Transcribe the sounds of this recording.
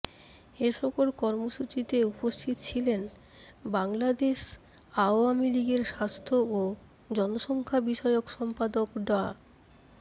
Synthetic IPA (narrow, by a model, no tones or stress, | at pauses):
eʃʰɔkoɾkɔɾmoʃut͡ɕit̪eupost̪ʰit̪ot͡ɕʰilen | baŋlad̪eʃ | aoamiliɡeɾʃast̪ʰoo | d͡ʑɔnoʃɔŋkʰabiʃɔeokʃɔmpad̪okɖɔa̰